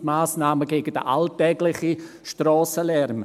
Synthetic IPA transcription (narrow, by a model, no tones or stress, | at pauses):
maːsnaːməɡeːɡ̥əd̥ə̰ʔaltɛːɡlɪχi | ʃtrɔːsəlɛɾm